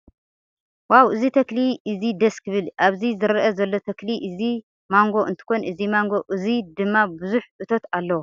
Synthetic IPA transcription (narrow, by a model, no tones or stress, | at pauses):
wawʔɨzit̪ʰɐkliʔɨzid̪ɐskʰɨβɨlʔaβzizɨɾʔɐzɐlːo̞t̪ʰɐkliʔɨzi | maŋɡo̞ʔɨ̰nt̪ʰɨ̥xo̞nɨzimaŋɡo̞ʔɨzid̪ɨmːabɨzuħʔɨt̪ʰo̞t̪alːɐwo